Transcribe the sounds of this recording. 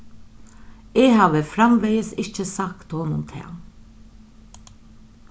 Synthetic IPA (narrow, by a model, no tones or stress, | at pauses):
eːhɑːʋəfɾɑmʋeɪəsɪçəsɑkt̪oːnʊnt̪ʰɪ̰